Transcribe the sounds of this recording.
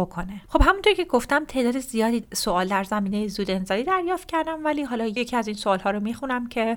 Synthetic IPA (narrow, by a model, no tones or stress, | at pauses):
okʰoneχo̞b̥hæmunt̪ʰoɾicʰe̞ɡo̞ft̪æmt̪ʰe̞ːd̪ɒːd̪ezijɒːd̪iːsoɒːld̪æɾzæmiːne̞jezuːd̪e̞nzɒːliːd̪æɾjɒːft̪̚cʰæɾd̪æmvæliːɦɒːlɒːjjecʰiːæziːnsoɒːlhɒːɾomiːxunæmcʰe̞